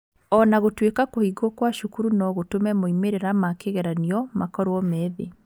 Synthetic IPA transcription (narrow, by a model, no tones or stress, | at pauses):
ɔnaɣotwekakohiɡwɔkwaʃukuɾunɔɣotomɛmoimeɾeɾamakeɣɛɾaniɔmakɔɾwɔmɛːðe